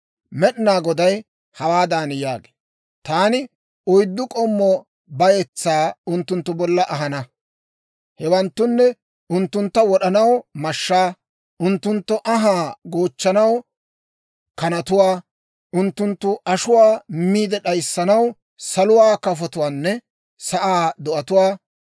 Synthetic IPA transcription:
mɛɗɪnaːɡɔd̪ɐj | hɐwaːd̪aːnjaːɡe̥ː | t̪aːnɪ | ʊjd̪ːʊkʼɔmːɔ | bɐjɛt͡sːaːʊnt̪ːʊnt̪ːʊbɔlːɐʔɐɦɐnɐ | hɛwɐnt̪ːʊnːɛ | ʊnt̪ːʊnt̪ːɐwɔɗɐnɐwmɐʃːaː | ʊnt̪ːʊnt̪ːɔʔɐɦaːɡo̞ːt͡ʃːɐnɐw | kɐnɐt̪ʊwaː | ʊnt̪ːʊnt̪ːʊʔɐʃʊwaːmiːd̪ɛɗɐjsːɐnɐw | sɐlʊwaːkɐfɔt̪ʊwaːnːɛ | sɐʔaːd̪ɔʔɐt̪ʊwaː

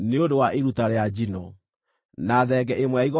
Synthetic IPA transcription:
neondowaʔeɾutaɾead͡ʑinɔ | naðɛɡɛʔemwɛaiɣɔ

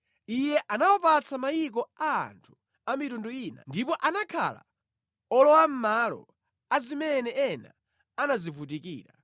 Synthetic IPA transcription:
ijɛʔanawɔpat͡sʰamajik̬ɔa̰ːntʰu̥ | amitunduiːna̰ndipɔʔanakʰa̰la̰ | ɔlɔwam̩malɔ̰ | azimɛnɛɛna | anazivutikḭːɾa

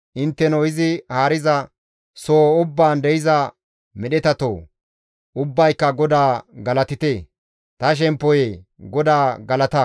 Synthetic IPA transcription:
ʔɪnt̪ːɛnɔɪzɪhaːɾɪzɐ | soːʊbːaːnd̪ɛjɪzɐ | mɛɗɛt̪ɐt̪o̰ː | ʊbːɐjkːɐɡɔd̪aːɡɐlɐt̪ɪt̪eː | t̪ɐʃ̬ɛmpːɔjeɡɔd̪aːɡɐlɐt̪ɐ

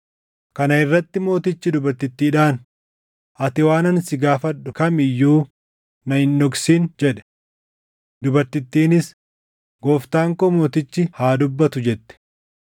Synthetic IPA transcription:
kɐnɐɪrːɐt̪ːɪmo̞ːt̪ɪt͡ʃːɪd̪ʊbɐɾt̪ɪt̪ːiːᶑaːn | ʔɐt̪ɪwaːnɐnsɪɡaːfɐᶑʊkɐmɪjːuː | nɐhɪnːɔɡsiːnd͡ʒɛᶑɛ̥ | d̪ʊbɐɾt̪ɪt̪ːiːnɪs | ɡoːft̪aːŋkomo̞ːt̪ɪt͡ʃːɪhaːd̪ʊbːɐt̪ʊd͡ʒɛt̪ːɛ̥

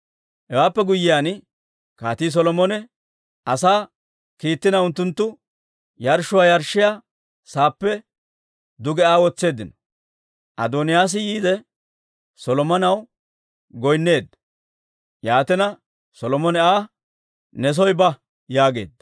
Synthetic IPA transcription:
hɛwaːpːɛɡʊjːɪjan | kaːt̪iːs̬ɔlɔmɔnɛ | ʔɐsaː | kiːt̪ːɪnɐʊnt̪ːʊnt̪ːʊ | jɐɾʃːʊwaːjɐɾʃːɪjaː | saːpːɛ | d̪ʊɡɛaːwɔt͡sːe̞ːd̪ɪnɔ̥ | ʔɐ̰d̪ɔnɪjaːs̬ɪjiːd̪ɛ | sɔlɔmɐnɐw | ɡɔjnːe̞ːd̪ːɐ | jaːt̪ɛnɐ | sɔlɔmɔnɛaː | nɛs̬ɔjbɐ | jaːɡe̞̰ːd̪ːɐ

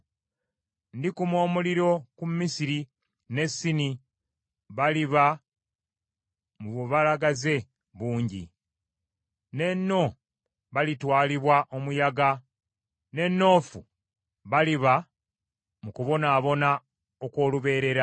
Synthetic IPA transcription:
ndikumwo̞ːmuliɾo̞kummisiɾi | ne̞sːini | βaliβa | muβoβalaɡaze̞ | βuːɲɟḭ | ne̞nːo̞ | βalitwaːliβwaʔo̞mujaɡa | ne̞nːo̞ːfu | βaliβa | mukuβo̞naːβo̞na | oko̞ːluβe̞ːɾe̞ɾa

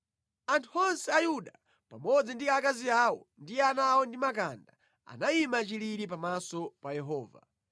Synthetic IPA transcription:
antʰuɔnsɛajuɗa | pamɔd͡zindikakaziaːwɔ̰ndijɛanawɔndimakanda | a̰naimat͡ʃiliɾip̬amasɔpajɛɦɔːva̰

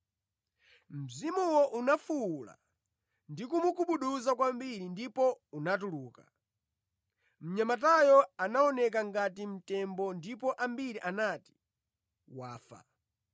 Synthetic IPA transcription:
m̩zimuwɔʔunafula̰ | ndikumukuɓuɗuzakwambiɾindipɔunat̬uluːka | m̩ɲamat̬ajɔanaɔnɛk̬aŋɡatim̩tɛmbɔndipɔʔambiɾiʔanati̥ | waːfa̰

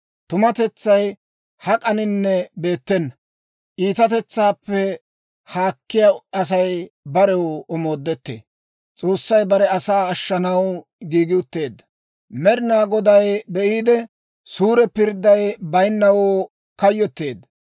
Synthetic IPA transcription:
t̪ʊmɐt̪ɛt͡sːɐj | hɐkʼɐnɪnːɛbe̞ːt̪ːɛnːɐ | ʔiːt̪ɐt̪ɛt͡sːaːpːɛ | haːkːɪjaɐs̬ɐjbɐɾɛwɔmo̞ːd̪ːɛt̪ːḛː | t͡sʼo̞ːsːɐjbɐɾɛɐsaːɐʃːɐnɐw | ɡiːɡɪʊt̪ːe̞ːd̪ːɐ | mɛɾɪnaːɡɔd̪ɐjbɛʔiːd̪ɛ | suːɾɛpɪɾd̪ːɐjbɐjnːɐwoː | kɐjːɔt̪ːe̞ːd̪ɐ

